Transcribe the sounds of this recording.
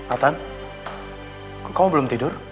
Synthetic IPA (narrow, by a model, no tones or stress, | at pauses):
at̪an | kamubəlʊmt̪idʊr